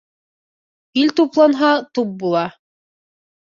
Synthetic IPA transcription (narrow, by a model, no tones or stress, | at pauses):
ilʲt̪uplˠɑnɦɑt̪up̚bulˠɑ